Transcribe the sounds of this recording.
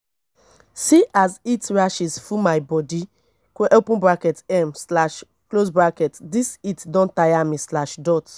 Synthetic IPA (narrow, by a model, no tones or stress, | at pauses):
siʔazitɹaʃisfumajbɔdi | koʔopũbɹakɛtɛmslaʃ | klosbɹakɛtdisitdɔ̃ntajamĩslaʃdɔt